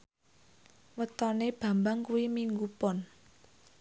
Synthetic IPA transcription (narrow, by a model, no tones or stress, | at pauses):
wət̪ɔneb̥a̤mbaŋkuwimiŋɡupɔn